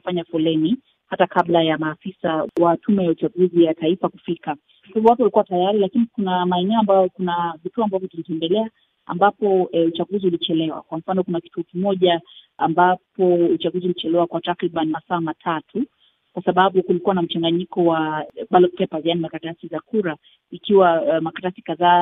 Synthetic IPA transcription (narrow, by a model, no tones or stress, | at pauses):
faɲafɔlɛni | hatakaɓlajamaːfisawatʰumɛjaut͡ʃaɠuzijataifakufika | kaivɔwatuwalikuwatajaɾilakinikunamaɛnɛɔambajɔkunavituɔambavjɔtulitɛndɛlɛa | a̰mbapɔut͡ʃaɡuziulit͡ʃɛlɛwa̰kwam̩fanɔkunakituɔkimɔʄaambapɔut͡ʃaɡuziulit͡ʃɛlɛwakwatakɾiɓanimasaːmatʰatʰu | kwasaɓaɓukulikuwanam̩t͡ʃaŋɡaɲikɔwaɓalɔpɛpazianimakatasizakuɾa | ikiwamakatasikaðaː